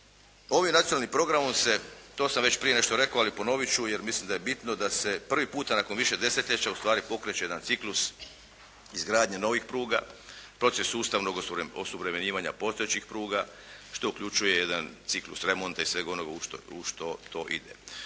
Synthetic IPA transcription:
o̞ʋimnat̪ionalnimpɾo̞ɡɾamomse̞t̪o̞ːsamʋe̞t͡ɕpɾijene̞ʃt̪o̞ɾe̞koalipo̞no̞ʋit͡ɕuje̞ɾmislimd̪ajebit̪no̞d̪ase̞pr̩ʋipuːt̪anako̞nʋiʃe̞d̪e̞set̪lʎet͡ɕaust̪ʋaːɾipo̞kɾet͡ɕeje̞d̪ant̪siklus | izɡɾaːd̪ɲeno̞ʋixpɾuːɡa̰pɾo̞t̪sesːuːst̪aʋnoɡosuʋɾemeɲiːʋaɲa̰po̞st̪oet͡ɕixpɾuːɡa | ʃt̪o̞ukʎut͡ʃuje̞je̞d̪ant̪siklˠṵsɾe̞mo̞nt̪aisʋe̞ɡonoɡaut̪ouʃt̪ot̪o̞ʔḭd̪ḛ

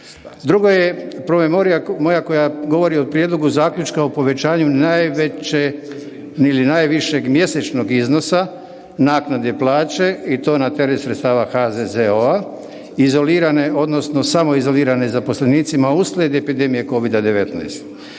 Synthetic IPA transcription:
d̪ɾuɡojepɾo̞me̞mo̞ɾijamo̞jakojaɡo̞ʋo̞ɾiopɾje̞d̪lo̞ɡuzaːklʲut͡ʃkaopo̞ʋe̞t͡ʃaːɲunajʋee | ilinajʋiʃeɡmje̞set͡ʃno̞ɡizno̞sa | naːknad̪eplˠaːt͡ʃe̞it̪o̞ːnat̪eɾesɾet̪st̪aːʋaxazezeoa | izo̞liːɾane̞ʔo̞d̪no̞sno̞samo̞izo̞liːɾanezapo̞sle̞niːt̪simauslʲed̪epid̪emije̞ko̞ʋid̪ad̪e̞ʋe̞t̪na̰jst̪

